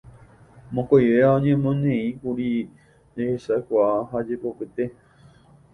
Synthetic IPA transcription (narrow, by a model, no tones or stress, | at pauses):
mõkʷojʋeaõɲẽmõnẽĩkuɾi | ehesakʷaaɦad͡ʒepo̞pɨt̪e̞